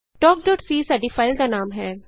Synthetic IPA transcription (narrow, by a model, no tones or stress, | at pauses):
ʈɔːk̚ɖɔːʈsiːsaɖifʰaːɪlɡ̪anaːmɦɛː